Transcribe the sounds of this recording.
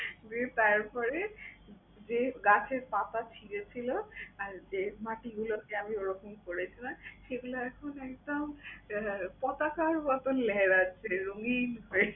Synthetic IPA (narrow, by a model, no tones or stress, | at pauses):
d͡ʑet̪aɾpɔɾe | d͡ʑeɡat͡ɕʰeɾpat̪at͡ɕʰiɾet͡ɕʰiloaɾd͡ʑemaʈiɡulokeamioɾokʰonkoɾet͡ɕʰinaʃeɡuloɛkʰonɛkd̪om | pɔt̪akaɾbɔt̪onlɛɦeɾat͡ɕʰeɾoŋinɦɔe